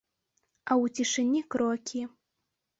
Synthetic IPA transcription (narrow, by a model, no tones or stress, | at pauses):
awut͡sʲiʂɨnʲikɾɔkʲʰi